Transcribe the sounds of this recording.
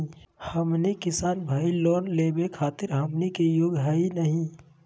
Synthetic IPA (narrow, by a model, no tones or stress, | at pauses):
həmnikɪsaːnbʱaːilɔːnleːbekʰaːt̪ɪɾɦəmnikejoːɡɦəinəɦĩ